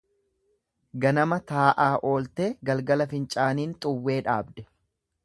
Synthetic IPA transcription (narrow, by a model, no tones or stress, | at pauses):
ɡɐnɐmɐt̪aːʔaːʔo̞ːlt̪e̞ːɡɐlɡɐlɐfɪnt͡ʃʼaːniːnt̪ʼʊwːe̞ːᶑa̰ːbd̪ɛ̥